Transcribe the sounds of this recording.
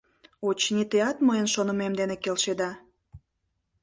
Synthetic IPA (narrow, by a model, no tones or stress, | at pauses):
ot͡ɕnit̪eɑt̪məjənʃonəmemd̪enekelʃed̪ɑ